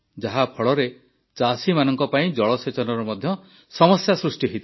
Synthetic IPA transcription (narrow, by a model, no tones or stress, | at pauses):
d͡ʒaɦapʰɔɭɔɾe | t͡ʃasimanɔŋkɔpaĩd͡ʒɔɭɔset͡ʃɔnɔɾɔmɔd̪ʱjɔ | sɔmɔsjasɾusʈiɦit̪a